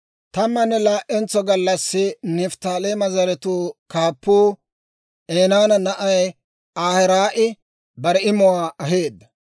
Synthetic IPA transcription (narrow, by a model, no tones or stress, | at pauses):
t̪ɐmːɐnːɛlaːʔɛnt͡sːɔɡɐlːɐsːɪnɪft̪aːlemɐzɐɾɛt̪uːkaːpːuː | eːnaːnɐnɐʔɐj | aːhɛɾaːʔɪ | bɐɾɛɪmɔwaːɐɦe̞ːd̪ːɐ̥